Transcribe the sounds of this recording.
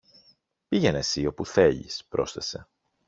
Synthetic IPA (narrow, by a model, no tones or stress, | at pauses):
piʝe̞nesio̞puθe̞ʎḭspɾo̞̰sθe̞se̞